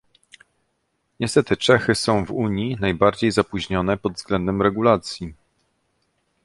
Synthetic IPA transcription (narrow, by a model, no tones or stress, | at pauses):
ɲɛst̪ɛt̪ɘt͡ʂɛxɘsɔ̃w̃vuɲinajbaɾd͡ʑejzapuʑɲɔnɛpɔd̪vzɡlɛnd̪ɛmɾɛɡulat̪sʲji